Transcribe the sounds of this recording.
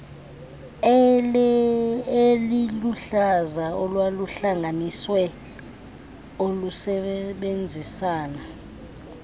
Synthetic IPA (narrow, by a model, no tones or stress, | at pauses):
eliluɬazaɔlwaluɬaŋaniswɛ | olusɛɓend͡zʱisaːna